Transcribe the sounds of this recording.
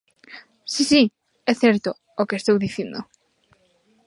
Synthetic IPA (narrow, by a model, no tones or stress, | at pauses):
sisi | ɛθɛɾt̪oː | kest̪owðiθjend̪o̰